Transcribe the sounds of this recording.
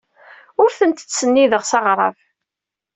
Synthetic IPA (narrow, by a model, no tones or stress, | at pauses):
ʊɾθənt̪t͡sːsənːiðəʁsɑʁɾˤɑ̰v